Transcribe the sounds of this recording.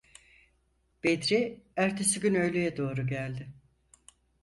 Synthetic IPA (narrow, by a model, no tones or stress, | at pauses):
b̥ed̪ɾiæɾt̪ʰe̞siɟynø̞jlʲyjɛd̪o̞ːɾuɟælʲd̪ɪ